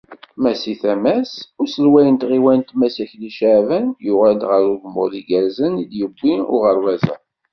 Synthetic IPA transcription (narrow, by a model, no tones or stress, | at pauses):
mæsiθæmæsʊɾsəlwæjənt̪ʁiwænt̪mæsæçliʃaʕvænjʊʁæld̪ʁəɾuðmʊ̰ðiɡæɾzənid̪jəbːiʊ̰ʁəɾwæzæ̰